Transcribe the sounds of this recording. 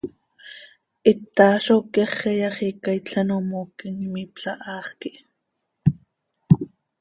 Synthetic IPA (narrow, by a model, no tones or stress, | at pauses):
ʔit̪ːɑːɬokɛχɛjɑχikaijt͡ɬanomoːkiŋimipɬaʔɑːχkiʔ